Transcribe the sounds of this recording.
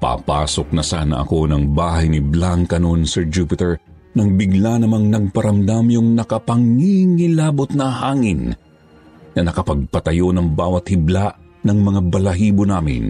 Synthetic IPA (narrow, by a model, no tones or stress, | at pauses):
pa̰pa̰ːso̞k̚nɐsaːnɐ̰ʔɐ̰ko̞nɐŋbaːɦɐjnɪblaŋkɐno̞nsɛɹd͡ʒupɪt̪ɛɹ | nɐŋbɪɡlanɐmaŋnɐɡ̚pɐɾɐmd̪amjʊŋnɐkɐpɐŋiŋɪlaːbot̪̚nɐhaːŋɪn | nɐnɐkɐpɐɡ̚pɐt̪ɐjo̞nɐŋbaːwɐt̪̚hɪblaʔ | nɐŋmɐŋabɐlɐɦiːbonaːmɪ̰n